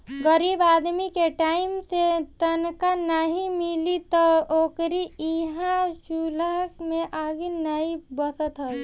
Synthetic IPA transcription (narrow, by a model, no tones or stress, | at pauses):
ɡəɾiːbaːd̪mikeʈaːɪmset̪ənkanaɦimilit̪ɔoːkɾiiɦãʃuləkmẽʔaːɡinaibəsət̪ɦəl